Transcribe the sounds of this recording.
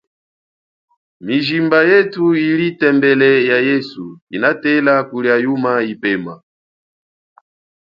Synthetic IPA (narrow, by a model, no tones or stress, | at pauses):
miʒimbajɛtuilitɛmbɛlɛjajɛsuinatɛlakuljajumaipɛma